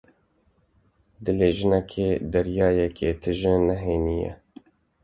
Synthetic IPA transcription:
d̪ɨleːʒɪnɛkʰeːd̪ɛɾjɑːjɛkʰeːt̪ʰɨʒənɛɦeːnijɛ̰

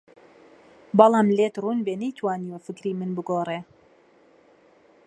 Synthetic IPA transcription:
bɐlˠɑːmlet̪runbenejt̪ʰwaːniwɐfɨkɾiːmɨnbɨɡoːreː

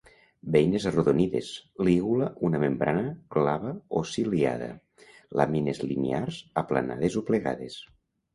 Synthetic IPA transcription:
bejnezroðoniðḛzliɣulaunamembɾanəklaβaosilia̰ðə̰ | lʔa̰minezlḭnearzapla̰na̰ðezopleɣa̰ðes

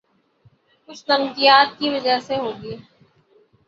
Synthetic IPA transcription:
kʊt͡ʃʰlɐmkijaːt̪̚kiʋɐd͡ʒəɦseɦoːɡiː

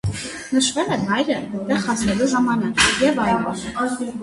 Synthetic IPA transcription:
nəʃvɛlɛnɑjɾəd̪ɛχɑsɛluzɑmɑnəjɛvɑjvɔ̰

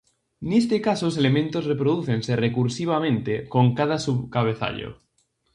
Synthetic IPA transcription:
nest̪ekasoselemẽnt̪ozrepɾoðuθense̞rekuɾsiβ̞amẽnt̪eko̞ŋkað̞asuβkaβ̞eθa̰ʎo̰

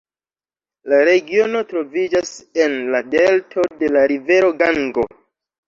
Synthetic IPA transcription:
laɾe̞ɡio̞no̞tɾo̞vid͡ʒase̞nlade̞ltʰo̞de̞laɾive̞ɾo̞ɡaŋɡo̞

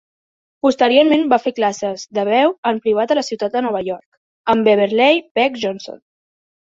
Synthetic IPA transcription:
pust̪əɾioɾmembafeklasəzðəβɛwəmpɾiβ̞at̪ələsiwt̪at̪̚d̪ənɔβ̞əjɔɾk | əmbeβ̞eɾlejpɛkʒɔnso̰n

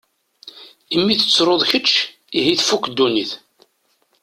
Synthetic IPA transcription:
imːiθə̥t͡sːɾˤoðˤçət͡ʃː | iɦiθfukd̪ːuniθ

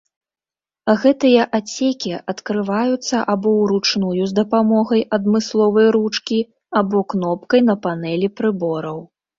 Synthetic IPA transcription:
ɣɛt̪ɨjɐʔat͡sʲekʲiɐt̪kɾɨvajut̪sːɐʔabɔwɾut͡ʂnujuzd̪ɐpamɔɣɐjʔɐd̪mɨslˠɔvɐjɾut͡ʂkʲi | abɔknɔp̚kɐjn̪ɐpanɛlʲipɾɨbɔɾɐw

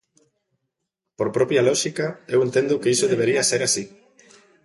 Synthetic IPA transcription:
poɾpɾɔpjalɔʃikaewent̪ẽnd̪ʊkeisoðeβeɾiaseɾasi

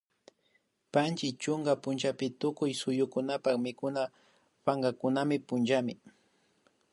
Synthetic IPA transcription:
pant͡ʃɪt͡ʃʊŋɡapʊnt͡ʃapɪt̪ʊkʊjsʊjʊkʊnapakmɪkʊna | paŋɡakʊnamɪpʊnt͡ʃamɪ

